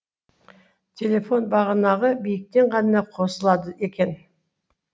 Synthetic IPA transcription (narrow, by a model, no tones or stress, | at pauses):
t̪ʲʰe̞lʲe̞fo̞nbɑʁənɑʁəbijɪk̚t̪e̞ɴqʰɑnənɑqʰo̞səlˠɑd̪əʔe̞kʲe̞n